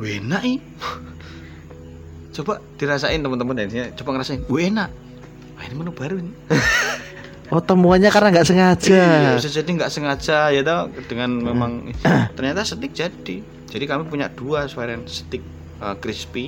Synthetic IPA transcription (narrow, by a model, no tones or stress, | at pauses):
wenaʔi | t͡ʃobaʔd̥iɾasaɪnt̪əmənt̪əmudadɲat͡ʃobaŋəɾasaɪnenaʔ | aḭnimənub̥aɾuin | ɔt̪əmuanɲakarnaŋɡaʔsəŋḁd͡ʒasəd͡ʒadiŋɡaʔsəŋad͡ʒajat̪ad̥əŋanmemaŋt̪ərɲat̪asət̪ɪk̚d͡ʒ̥ad̥i | d͡ʒadikamipuɲa̰ʔd̥uaswaɾansə̥t̪ɪk̚ | əkɾispi